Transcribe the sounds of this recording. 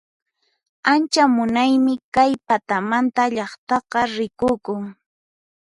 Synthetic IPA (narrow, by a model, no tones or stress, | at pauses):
ant͡ʃamʊnajmɪkajpat̪amant̪aʎɑχt̪ɑqɑɾɪkʊkʊŋ